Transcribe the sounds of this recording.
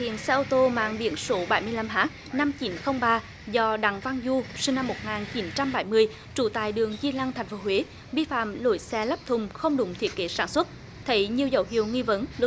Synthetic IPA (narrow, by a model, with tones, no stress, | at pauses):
hḭ˧˨ənsɛ˧ʔo˧t̪o˧ma̰ː˧˨ŋɓḭ˧˩ənso˨˦ɓa˧˩jmɨ˧əjla˧mɦaː˦˥k̚na˧mt͡ɕi˨˦nxə˧wŋ͡mɓaː˧ | zɔ˧ɗa˨˩˦ŋva˧ŋzu˧sï˧ŋna˧mːo˨˩t̚ŋaː˨˩nt͡ɕi˨˦nt͡ɕa˧mɓa˧˩jmɨ˧əj | t͡ɕu˧˩t̪a̰ː˧˨jɗɨ˨˩əŋzi˧la˧ŋt̪ʰa˨˩jŋ̟fo˨˦ɦwe˨˦ | ɓi˧fa̰ː˧˨mlo̰˧˩˦jsɛ˧la˦˥p̚t̪ʰʊ˨˩ŋ͡mxə˧wŋ͡mɗʊ̰˧˥ŋ͡mt̪ʰi˦˥ət̚ke˨˦saː˧˩nswə˦˥t̚ | t̪ʰə˨˦jɲi˨˩əwzə̰˧˩whḭ˧˨əwŋi˧və˨˦n